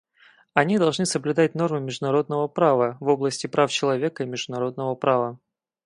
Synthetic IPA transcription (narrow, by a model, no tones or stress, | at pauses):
ɐnʲid̪ɐlˠʐnɨsəblʲʉd̪at̚ʲno̞rmɨmʲɪʐd̪ʊnɐɾo̞d̪nəvəpɾavəvo̞blˠəsʲtʲɪpɾaft͡ɕɪlˠɐvʲekəimʲɪʐd̪ʊnɐɾo̞d̪nəvəpɾavə